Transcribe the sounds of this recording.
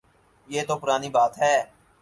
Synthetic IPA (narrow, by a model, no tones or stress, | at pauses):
jeːt̪opʊɾaːnibaːt̪ɦɛː